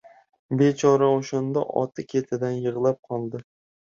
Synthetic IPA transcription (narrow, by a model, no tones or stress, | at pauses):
bet͡ʃʰɒɾaoʃand̪a̰ʔɒ̰t̪ʰɪkʲʰe̞t̪ʰɪd̪anjɨʁlˠap̚qʰɒlˠd̪ɪ